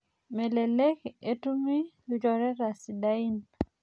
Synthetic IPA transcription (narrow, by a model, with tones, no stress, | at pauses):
me˨le˨le˦ke˨tu˦mi˦lu˨d͡ʒɔ˨ɾɛ˦ɾa˨si˨da˦i˦n